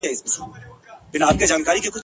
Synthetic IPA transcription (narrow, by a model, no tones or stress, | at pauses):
ɛɪsmʊsuebɪnaːp̚ked͡ʒaːnkaːɾikekʊ